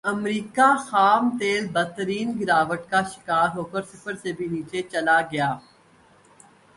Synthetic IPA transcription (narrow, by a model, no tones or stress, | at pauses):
ɐmɾiːkaxaːmt̪eːlbɐt̪ːəɾiːnɡɪɾaːʋəʈkaʃɪ̥kaːɾɦoːkəɾsɪpʰəɾsebʱiniːt͡ʃet͡ʃɐlaɡɐjaː